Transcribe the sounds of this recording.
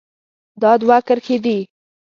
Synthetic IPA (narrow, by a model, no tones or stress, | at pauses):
d̪ɑd̪wakəɾxed̪i